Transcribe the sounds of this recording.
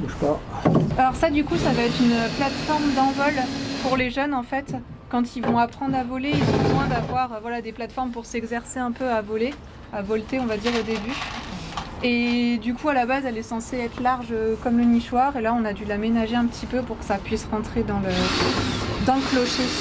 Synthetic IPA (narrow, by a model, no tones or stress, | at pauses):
buʃpaalɔʁsad̪ykusavaɛt̪χynplat̪fɔʁmd̪ɑ̃vɔlpuʁleʒœnɑ̃fɛt̪ | kɑ̃t̪ʰilvɔ̃apχɑ̃d̪ʁavɔleilzɔ̃swɛ̃d̪avwaʁøvwalad̪eplat̪fɔʁmpuʁsɛɡzɛʁseɛ̃pøavɔle | avɔlt̪eɔ̃vad̪iʁod̪eby | ed̪ykʰualabazɛlɛsɑ̃seɛt̪χlaʁʒəkɔmləniʃwaʁelaɔ̃nad̪ylamenaʒeɛ̃pət̪ʰipøpuʁkə̥sapɥisʁɑ̃t̪χed̪ɑ̃lə | d̪ɑ̃ləklɔʃe